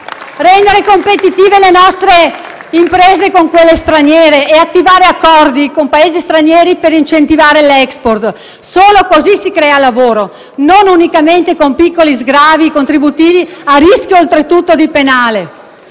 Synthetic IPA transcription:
rɛnd̪eɾekompet̪it̪iːvelenɔst̪ɾe | impɾeːzekoŋkwelːest̪ɾanjɛːɾeʔːat̪ːivaːɾeakːɔrd̪ikompaeːzist̪ɾanjɛːɾipeɾint͡ʃent̪ivaːɾelɛksport̪ | soːlokozisikɾɛːalavoːɾo | nonunikament̪ekompikːolizɡɾaːvikont̪ɾibut̪iːviariskjoːlt̪ɾet̪ut̪ːod̪ipenaːle

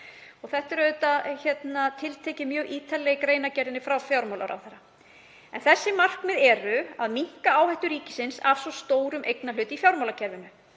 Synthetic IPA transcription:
ɔɣθɛht̪ɪɾœːðʏt̪açɛt̪nat̪ʰɪlt̪ʰɛːcɪmjœːɣʔiːt̪ʰalɛjɪkɾeːjnacɛɾðɪnɪfɾawfjawɾmawla̰ɾa̰wθɛɾa | ɛ̰nθɛsːɪmar̥kmɪðɛɾʏaðmiŋ̥kaaːwhɛht̪ʏɾiːcɪsɪnsavsvɔst̪oːwɾʏmʔejknalʏːt̪ifjawɾmawlacʰɛɾvɪnʏ

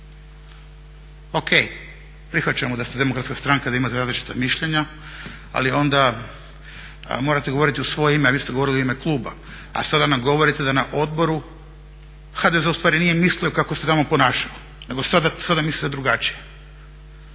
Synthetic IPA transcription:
o̞kʰej | pɾixʋat͡ɕamod̪ast̪ed̪emo̞kɾat̪skast̪ɾaŋkad̪aimat̪eɾaːzlit͡ʃi̥t̪amiʃʎeɲa | a̰lio̞nd̪a | mo̞ːɾat̪eɡo̞ʋo̞ɾit̪iusʋo̞jeimeaʋiːst̪eɡo̞ʋo̞ɾilioime̞klˠuːba̰ | a̰sad̪anamɡo̞ʋo̞ɾit̪ed̪anaʔo̞d̪bo̞ɾu | xad̪ezeust̪ʋaːɾinije̞misliokakoset̪amo̞po̞naːʃao | ne̞ɡo̞sad̪asad̪amislit̪ed̪ɾuɡat͡ʃije̞

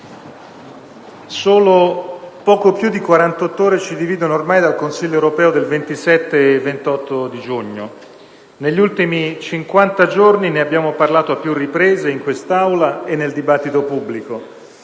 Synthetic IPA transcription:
soːlopɔːkopjud̪ːikwaɾant̪ɔt̪ːoːɾet͡ʃid̪iviːd̪onoːrmajd̪alkonsiʎːoewɾopɛːod̪elvent̪isɛt̪ːeːvːent̪ɔt̪ʰːod̪id͡ʒuɲːo | neʎːult̪imit͡ʃiŋkwant̪ad͡ʒornineabːjaːmoparlaːt̪oapːjurːipɾeːzeiŋkwest̪awlaenːeld̪ibat̪ːit̪opubːliko

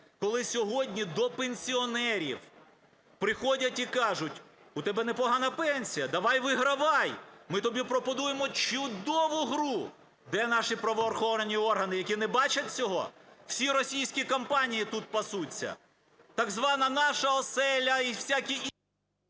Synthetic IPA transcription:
kɔlˠɪsʲɔɦɔdʲnʲid̪ɔpenʲsʲiɔnɛɾʲḭw | pɾɪxɔdʲɐtʲikɑʒʊtʲ | ʊt̪ɛbɛnɛpɔɦɑnɐpɛnʲsʲijɐd̪ɐʋɑjʋɪɦɾɐʋɑjmɪt̪ɔbʲipɾɔpɔnujemɔt͡ʃʊd̪ɔʋʊɦɾu | d̪ɛnɑʃipɾɐʋɔːrxɔʋɐnʲiɔrɦɐnɪjɐkʲinɛbɑt͡ʃɐt̚ʲt͡sʲɔɦɔ̰w̥sʲiɾɔsʲijsʲkʲikɐmpɑnʲijit̪ut̪̚pɐsut͡sʲːɐ̰ | t̪ɐɡzʋɑnɐnɑʃɐɔsɛlʲɐiwsʲakʲi

